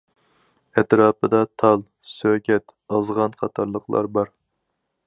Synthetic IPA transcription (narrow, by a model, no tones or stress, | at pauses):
ɛt̪ɾɑːpɨd̪ɑt̪ʰɑlˠ | søkʲɛt̪ɑzʁɑnqʰɑt̪ʰɑɾlˠəqʰlˠɑ̰ɾbɑɾ